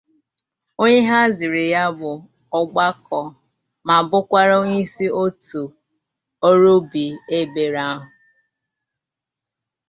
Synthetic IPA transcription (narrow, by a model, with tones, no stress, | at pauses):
o˦ɲe˦ɦa˦zɪ˨ɾɪ˨ja˦bʊ˨ | ɔ˦ɡ͡ba˦kʰɔ˨ | ma˨bʊ˦kʷa˦ɾo˦ɲi˦si˦o˦tu˨ | o˦ɾo˦bi˨e˦be˨ɾa˦ɦʊ˨